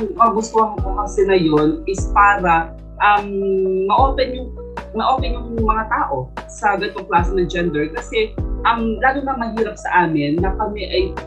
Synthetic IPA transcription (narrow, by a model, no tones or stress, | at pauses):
ŋmɐɐɡʊst̪ohɐŋʊmɐsɛnɐjo̞nʔɪspaːɾɐ | ʔɐmːɐʔoːpɛnjʊŋ | mɐʔoːpɛɲjʊŋmɐŋat̪aːʔo̞sɐɡɐt̪oŋklaːsnɐd͡ʒɛnd̪ɛɹkɐsɛʔɐmlaːlonɐmɐɦiːɾɐp̚sɐ̰ʔaːmɪnːɐkɐmɛʔɐj